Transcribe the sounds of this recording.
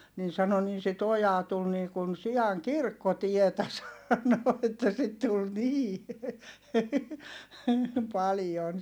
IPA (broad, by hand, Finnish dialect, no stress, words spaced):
nin̞ sɑno nin sit ojɑː tul niː kun siɑŋ kirkːotietæ sɑno etːæ sit tul niː pɑljon